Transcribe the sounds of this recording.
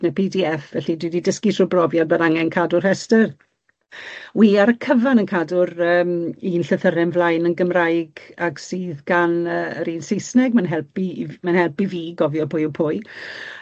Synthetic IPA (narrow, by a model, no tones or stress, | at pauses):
nəpʰiːdiɛfvɛɬidwididəskitʰrubrɔvjɔdbədaŋɛnkʰadʊr̥hɛstər | wiːaɾəkʰəvanənkʰadʊɾəːminɬəθəɾɛnvlˠajnənɡəmrajɡaɡsiːðɡanəɾiːnsejsnɛɡmanɦɛlˠpimanhɛlˠpiviːɡɔvjɔpʰʊjɔpʰʊɨ